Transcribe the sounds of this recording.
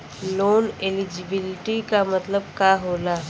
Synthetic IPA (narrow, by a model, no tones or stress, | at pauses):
loːnelɪd͡ʒɪbɪlɪʈikamɐt̪ləb̚kaːɦoːla